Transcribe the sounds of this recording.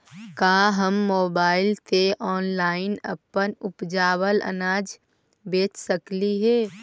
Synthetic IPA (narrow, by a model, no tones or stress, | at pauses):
kaːɦəmːoːbaːɪlt̪eʔɔːnlaːɪnɐ̰pənʊpd͡ʒaːwələ̰naːd͡ʒ | beːt͡ʃsəkliɦɛː